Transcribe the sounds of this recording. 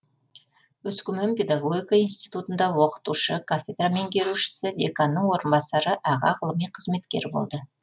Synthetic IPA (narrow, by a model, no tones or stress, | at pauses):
wɵskʲʏmempʲe̞d̪aɡo̞ɡʲijkainst̪ijt̪ut̪ənd̪ɑwo̞qə̥t̪uʃəkʰafʲed̪rame̞ŋkʲe̞ɾuʃɪ̥sɪd̪ʲekanːəɴwo̞ɾənbɑsɑɾəʔɑʁɑ̰ʁəlˠəmijqʰəzme̞t̪kʲe̞ɾbo̞̰lˠd̪ə